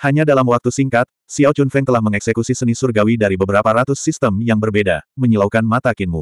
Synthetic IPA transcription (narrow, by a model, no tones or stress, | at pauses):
haɲadalamwak̚t̪usiŋkat̪̚ | siawt͡ʃunfɛŋt̪əlahməŋɛksekusisənisurɡawidaɾibəbəɾapaɾat̪usːist̪əmjaŋbərbeda̰məɲəlawkanmat̪akɪnmṵ